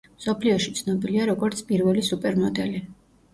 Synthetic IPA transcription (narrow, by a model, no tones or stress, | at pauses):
msɔpʰliɔʃi̥t̪sʰnɔbiliaɾɔɡɔɾt̪sʰpʼiɾvɛlisupʼɛɾmɔd̪ɛli